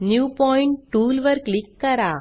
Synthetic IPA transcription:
njuːpɔːɪɳʈʈːuːlʋɐɾkɭɪkːɐɾaː

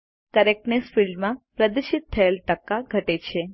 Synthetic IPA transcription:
kəɾeknesfilɖmãpɾəd̪əʃit̪ʰːəelʈəkːaɡʱəʈet͡ʃʰe

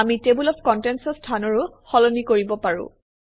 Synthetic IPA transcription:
amitebulɔpʰkɔntɛnsɔstʰanɔɹʊxɔlɔnikoɹibɔpaɹʊ̰̃

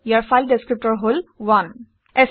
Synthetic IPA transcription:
jaɾfaɪlɖeskɾɪp̚ʈəɾɦolʋan | es

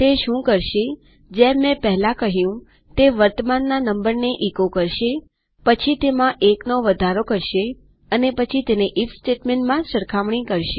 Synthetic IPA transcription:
t̪eʃũkəɾʃe | d͡ʒemɛ̃pəɦlãkəɦjũ | t̪eʋəɾt̪əmanːanəmbəɾneʔikokəɾʃe | pət͡ʃʰit̪emãʔeknoʋəd̪ʱaɾokəɾʃe | ənepət͡ʃʰit̪eneʔifsʈeʈmeɳʈmãsəɾkʰaʋɳ̃ikəɾʃe

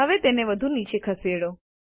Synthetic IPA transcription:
əʋet̪eneʋəd̪ʱunit͡ʃekʰəseɽo

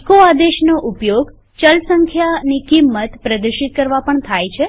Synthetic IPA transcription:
ekoad̪eʃnoʔupjoɡ | t͡ʃəlsəŋkʰjanikimːət̪pɾəd̪əɾʃit̪̚kəɾʋapəɳt̪ʰajt͡ʃʰe

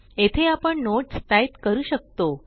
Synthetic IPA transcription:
et̪ʰeapəɳnoʈst̪ajt̪kəɾuːɕək̚t̪o

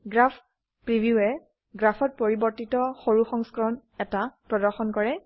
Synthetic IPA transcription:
ɡɹapʰ | pɹibʱjuɛ | ɡɹapʰɔt̚poɹibɔɹtitɔxoɹuxɔŋskɹɔnɛtapɹɔdɔɹxɔnkɔɹɛ

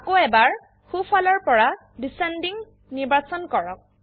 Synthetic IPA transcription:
akoɛbaɹ | xupʰɔlɔɹpɔɹa | disɛndiŋ | niɹbasɔnkɔɹɔk̚

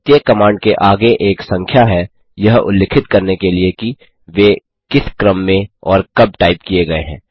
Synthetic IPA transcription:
t̪jəkɐmãːɳɖ̚keʔaːɡeʔeːksɐ̃ŋkʰjaɦɛ | jɐɦʊ̰lːeːkʰɪt̪kɐɾnekelieki | ʋeː | kɪskɾəmːẽɔːɾkɐb̚ʈaːɪpkijeɡɐeɦɛ̰̃ː

